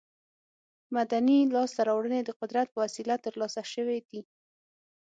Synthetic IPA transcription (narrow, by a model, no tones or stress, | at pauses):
mad̪anilɑst̪aɾɑwɽəned̪əqʊd̪ɾat̪̚pəwasilat̪əɾlɑsaʃəwed̪i